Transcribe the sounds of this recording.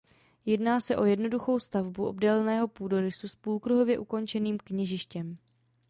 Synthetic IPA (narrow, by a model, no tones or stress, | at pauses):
jɛdnaːsɛʔo̞jɛdno̞duxo̞wst̪avbuʔo̞̰bdɛlnɛːɦo̞puːdo̞ɾɪsuspuːlkɾuɦo̞vjɛʔuko̞nt͡ʃɛniːmkɲɛʒɪʃcɛm